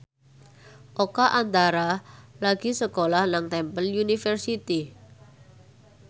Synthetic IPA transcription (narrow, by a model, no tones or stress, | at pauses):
ʔokaʔant̪aɾalaɡ̥isəkolahnaŋt̪ɛmpəljunifərsit̪i